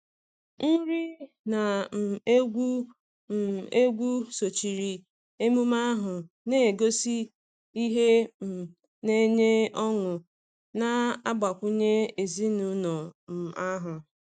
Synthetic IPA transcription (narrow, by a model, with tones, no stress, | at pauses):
n̩˦ɾi˦ | na˨m̩˨˦ɡʷu˦˨ | e˦ɡʷu˦so˨t͡ʃi˨ɾi˨ | e˦mu˦ma˦ɦʊ˨ | ne˦e˨ɡo˦si˦ | i˦ɦe˦m̩˨ | ne˦ɲe˦ɔ˦ŋʊ˨ | na˦a˦ɡ͡ba˨kʷu˦ɲe˦e˨zi˦nu˨nɔ˨m̩˨a˦ɦʊ˨